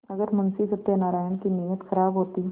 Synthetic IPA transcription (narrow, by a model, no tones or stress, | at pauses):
ɐɡəɾmɐnsisɐb̚t̪enaːɾaːjənkinijət̪xɐɾaːbɦoːt̪i